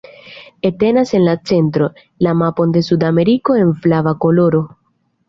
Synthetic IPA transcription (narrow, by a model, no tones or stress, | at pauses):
e̞te̞nase̞nlat͡se̞ntɾo̞ | lamapo̞nde̞sudame̞ɾiko̞e̞nflavako̞lo̞ɾo̞